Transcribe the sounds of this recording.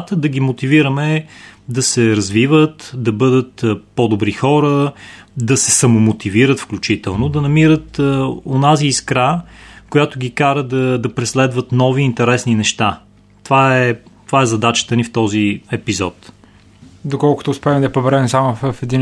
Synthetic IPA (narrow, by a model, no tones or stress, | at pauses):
t̪əd̪ɐɡʲimot̪iviɾəmɛd̪ɐsɛɾɐzvivət̪d̪ɐbɤd̪ət̪ːpod̪obɾixɔɾəd̪ɐsɛsɐmomot̪iviɾət̪fklʲut͡ʃit̪ɛlˠnod̪ɐnɐmiɾət̪onaziːskɾakojat̪ʊɡʲikaɾəd̪ɐd̪ɐpɾɛslɛd̪vət̪nɔviːnt̪ɛɾɛsninɛʃt̪a | t̪ovaɛt̪ovaɛzɐd̪at͡ʃə̥t̪ənift̪ɔziɛpizɔt̪ | d̪okɔlˠkʊ̥t̪oʊspɛmɛd̪ɐpobɛɾɛmsamoffɛd̪in